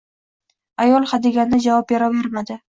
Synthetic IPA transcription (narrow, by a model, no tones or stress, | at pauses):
ajɒlˠχad̪eɡʲand̪ad͡ʒavɒpjaɾaveɾmad̪ɪ